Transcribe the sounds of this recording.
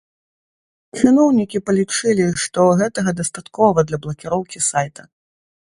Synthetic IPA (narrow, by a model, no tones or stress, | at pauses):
t͡ʂɨnɔwnʲikʲipɐlʲit͡ʂɨlʲiʂt̪ɔɣɛt̪ɐɣɐd̪ɐst̪at̪kɔvɐd̪lʲɐblˠɐkʲiɾɔwkʲisajt̪ʰɐ̥